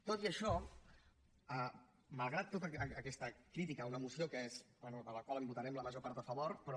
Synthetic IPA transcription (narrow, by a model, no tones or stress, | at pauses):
t̪ot̪iəʃɔ | ə | məlˠɣɾat̪ːot̪əəːkɛst̪əkɾit̪ikəunəmusiokəezbwɛnuðələkwaləmbut̪əɾɛmləməʒopaɾt̪əfəβoɾpɾɔ